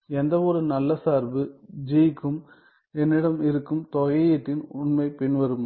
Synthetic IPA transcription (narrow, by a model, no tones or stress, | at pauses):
ɛnd̪ɐʋɔɾɯnɐlːɐsaːɾbɯd͡ʒikːɯm | ɛnːɪɽɐmɪɾɯkːɯmt̪ɔɣɐjɪʈːɪnʊɳmɐɪpɪɳʋɐɾɯm